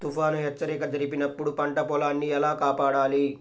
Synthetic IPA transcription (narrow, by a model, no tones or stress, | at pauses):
t̪ufaːnuɦɛt͡ʃːɐɾɛːkɐd͡ʒɐɾipinɐpːuɽupɐɳʈɐpɔːlaːnːiɛlaːkaːpaːɽaːli